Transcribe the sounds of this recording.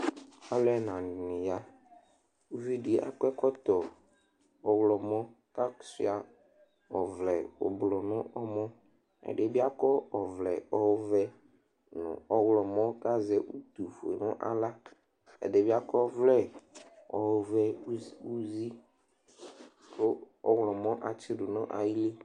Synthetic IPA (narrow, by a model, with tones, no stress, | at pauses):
a˦lɛ˦nã˨nɪ̃˨ja˦ | u˦vi˦di˨a̰˨kɛ˦kɔ˦t̪ɔ˨ | ɔ˨wlɔ˨mɔ̃˦ | ka˦˨sḭ˦a˨ | ɔ˨vlɛ˨ʊ̰˨blɔ˨nʊ̃˦ʔɔ˦mɔ̃˦ | ɛ̰˨ɖɪ˦bɪ˦a˦kɔ˦ɔ˨vlɛ˨ɔ˦wvɛ˦ | nʊ̰̃˨ɔ˦wlɔ˨mɔ̃˦ka˦zɛ˦ʔu˦t̪u˨fḛ˨nʊ̰̃˦ʔa̰˨la˦ | ɛ̰˨ɖe˦bi˦a˦kɔ˦vlɛ˦ | ɔ˨wvɛ˦u˦zi˦ | ko˦ | ɔ˦wlɔ˨mɔ̃˦ʔa˨t͡ʃɪ˦ɖʊ˨nʊ̰̃˦ʔa̰˨ji˦le˦